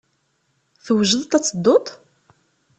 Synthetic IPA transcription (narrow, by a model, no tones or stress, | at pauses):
θəwʒəðt̪æt͡sːəd̪ːʊt̪ˤ